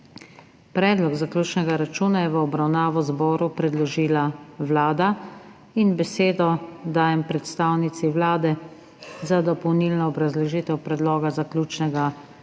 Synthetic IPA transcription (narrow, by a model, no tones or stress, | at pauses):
pɾɛːd̪lɔɡzaklʲuːt͡ʃnɛɡaɾat͡ʃuːnajɛʋəɔbɾawnaːʋɔzbɔːɾupɾɛd̪lɔʒiːlaʋlaːd̪a | inbɛseːd̪ɔd̪aːjɛmpɾɛt̪st̪aːwnit̪siʋlaːd̪ɛ | zad̪ɔpɔwniːlnɔːbɾazlɛʒiːt̪ɛwpɾɛd̪lɔːɡazaklʲuːt͡ʃnɛɡa